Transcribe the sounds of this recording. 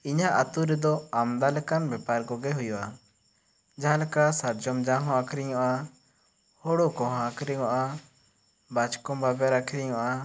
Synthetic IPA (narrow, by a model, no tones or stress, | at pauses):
iɲaʔat̪uɾɛd̪ɔamd̪alɛkanbɛpaɾkɔɡɛɦujɔʔa | d͡ʒaɦãlɛkasaɾd͡ʒɔmd͡ʒãɦɔ̃akʰɾiɲɔʔa | hɔɽɔkɔ̃ɦãakʰɾiŋɔʔa | bat͡ʃkɔmbabɛɾakʰɾiɲɔʔa